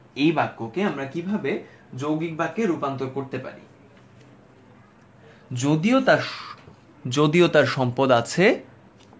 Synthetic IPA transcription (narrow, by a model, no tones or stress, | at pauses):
ejbakːokeamɾakibʱabe | d͡ʑowɡik̚bakːeɾupant̪oɾkoɾt̪epa̰ɾḭ | d͡ʑod̪iot̪a | d͡ʑod̪iot̪aɾʃɔmpod̪at͡ɕʰe